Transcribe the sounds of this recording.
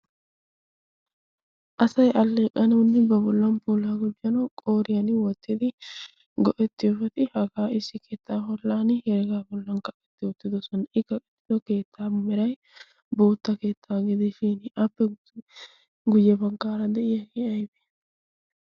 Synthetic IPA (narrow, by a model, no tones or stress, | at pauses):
ʔɐsɐjʔɐlːeːkʼːɐnɐnːɪbɐbɔlːɐnpuːlaːɡʊd͡ʒɐnɐkʼo̞ːɾɪjɐnwɔt̪ːɪd̪ɪ | ɡɔʔɛt̪ːɪjɔfɛt̪ɪhɐɡaːɪsːɪkʰe̞ːt̪ːaːɦɔlːaːnɪhɛɾɛɡaːbɔlːɐnkɐkʼːɛt̪ːɪwɔt̪ːɪd̪ɔsɔnɐɪkːɐkʼɛ̥t̪ːɪd̪ɔke̞ːt̪ʰːaːmɛɾɐj | bo̞ːt̪ːɐke̞ːt̪ʰːaːɡɪd̪ɪʃɪnʔɐpːɛ | ɡʊjːɛbɐŋkaːɾɐd̪ɛʔɪjɐkɪɐjbɛ̥